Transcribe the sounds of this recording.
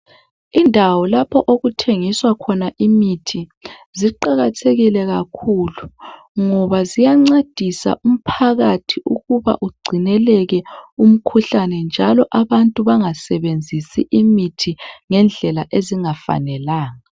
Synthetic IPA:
indʱawɔlapʰɔʔoɣutʰeŋiswakʰɔnaʔimitʰiziǃaɣatʰeɣilɛɣakʰulu | ŋɔβazijaŋ͡ǀed̥ʱisa̰ʔum̩pʰaɣatʰiuɣuβa̰ʔuɡ͡ǀʱinɛlɛɣɛum̩kʰuɬanɛnd͡ʒʱalɔʔaβantʼuβaŋasɛβend͡zʱisiʔimitʰiŋɛnd͡ɮʱɛlaʔeziŋafa̰nɛlaːŋa

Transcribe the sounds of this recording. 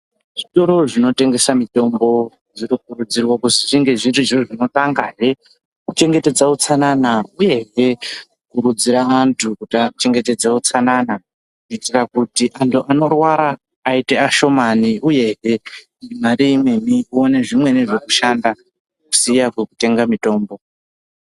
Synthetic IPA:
ʐ̥ito̞ɾo̞ʐino̞te̞ŋɡe̞samito̞mbo̞ | d͡ziɾikurud͡zirwakusiʐiŋɡe̞ʐintuʐiroʐino̞taŋɡaɦe | kut͡ʃe̞ŋɡe̞te̞d͡zaut͡sananauje̞ɦe | kuɾud͡ziɾaaːntʰukutat͡ʃe̞ŋɡe̞te̞d͡zaut͡sanana | kut͡ʃitirakutiʔantʰuʔano̞rwaɾaː | iteaʃo̞maniʔuje̞ɦe̞ | imaɾiimweniuone̞ʐimwe̞neʐekuʃanda | ku̥sijakwekute̞ŋɡamito̞ːmbo̞

